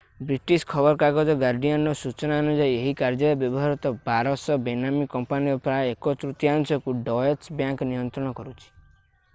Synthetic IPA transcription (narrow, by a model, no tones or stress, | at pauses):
bɾiʈiskʰɔbɔɾkaɡɔd͡ʒɔɡaɾɖijɔnɾɔsut͡ʃɔnaɔnud͡ʒaieɦikaɾd͡ʒɔɾɔbjɔbɔɦaɾit̪ɔbaɾɔsɔbenamikɔmpaniɔpɾaekɔt̪ɾut̪jansɔkuɖɔeɾsbjaŋknijɔnt̪ɾɔɽ̃ɔkɔɾut͡ʃʰi̥